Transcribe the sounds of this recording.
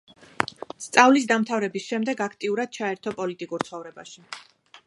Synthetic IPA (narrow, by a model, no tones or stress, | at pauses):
st̪sʼavlis̬d̪amt̪ʰavɾɛbisʃɛmd̪ɛɡakʰt̪ʼiuɾad̪̥̚t͡ʃʰaɛɾt̪ʰɔpʼɔlit̪ʼikʼuɾt̪sʰχɔvɾɛba̰ʃi